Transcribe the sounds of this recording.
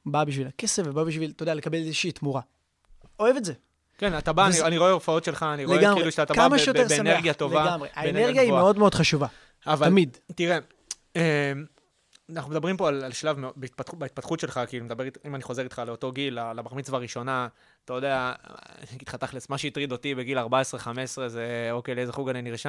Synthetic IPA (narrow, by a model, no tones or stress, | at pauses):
babiʃ̬vilake̞sefvebabiʃvilt̪od̪ealekabelezeʃiːt̪muʁa | o̞evetze | kenat̪abaanianiʁo̞eofao̞t̪ʃe̞lχaːniʁleeɡamʁieluʃeat̪akamaʃejob̪eeneʁɡjat̪o̞vleaɡamʁeʔaeneʁɡjaieo̞d̪meo̞d̪χaʃuva | avaamid̪t̪iʁe | em | naχnume̞d̪abʁimpo̞alalʃlavmeobeit̪̚patubait̪̚pat̪χut̪ʃe̞lχakilumed̪abe̞ʁit̪imaniχo̞ze̞ʁit̪χale̞ot̪o̞ɡilalabaʁmit͡svaʁiʃo̞na | t̪ajo̞d̪ea | it̪χat̪aχlesmaʃeit̪ʁid̪o̞t̪ibe̞ɡilaʁbaesʁeχamesʁe̞zeo̞kejleezeχuɡaniniʁʃa